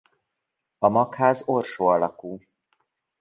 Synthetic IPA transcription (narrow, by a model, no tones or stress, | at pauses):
ɒmɒkhaːzorʃoːɒlɒkuː